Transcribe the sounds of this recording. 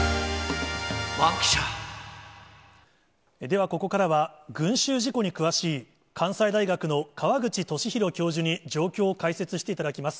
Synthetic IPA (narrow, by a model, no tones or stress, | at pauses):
makɕa | ed̪e̞β̞ako̞ko̞kaɾaβaɡɯ̟̃ɰ̃ɕɨːʑiko̞ɲ̟ikɯ̟βaɕiː | kʰãɰ̃said̪aiɡakɯ̟no̞kaβaɡɯ̟t͡ɕit̪o̞ɕiçiɾo̞kʲo̞ːʑɨɲ̟id͡ʑo̞ːkʲo̞ːkaise̞t͡sɨɕi̥t̪eit̪ad̪akʲimasɨ̥